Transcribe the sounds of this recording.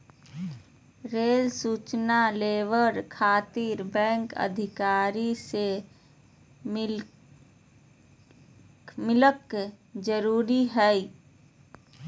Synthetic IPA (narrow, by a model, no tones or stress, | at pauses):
ɾeːlsuːt͡ʃnaleːʋəɾkʰaːt̪iɾbɛ̃ːŋkə̰d̪ʱɪkaːɾise | mɪ | mɪlək | d͡ʒəɾuːɾiɦɛi